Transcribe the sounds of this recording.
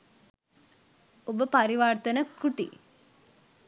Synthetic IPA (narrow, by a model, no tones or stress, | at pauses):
obəpaɾiʋart̪ənəkrut̪ḭ